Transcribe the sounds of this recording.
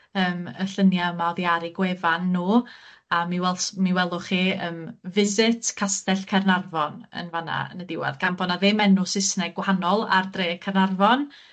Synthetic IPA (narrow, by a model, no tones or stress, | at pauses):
əːməɬənjaəmawðjaɾiɡweːvanːuːamiwɛlˠsmiwɛlˠʊχiːəːmvɪzɪtʰkʰastɛɬkʰɛrnarvɔnə̰nvana̰nədɪwɛ̰ðɡ̥ambɔnaðeːmɛnʊsɪsnɛɡwahanɔlˠa̰rdreːkʰɛrnarvɔn